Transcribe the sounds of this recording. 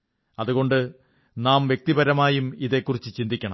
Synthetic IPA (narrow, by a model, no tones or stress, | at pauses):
ɐðuɣo̞ɳɖɨ | naːmʋje̞k̚t̪ibɐɾɐmaːjumiðe̞kːurit͡ɕːɨt͡ɕind̪ʱikʲːɐɳɐ̰m